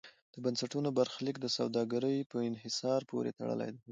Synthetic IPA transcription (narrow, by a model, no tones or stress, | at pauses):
d̪̥əbansaʈunobaɾxlikd̪əsa̰wd̪ɑɡaɾəjpəɪnɦɪsɑɾpʰo̰ɾḛt̪a̰ɽə̰la̰jd̪a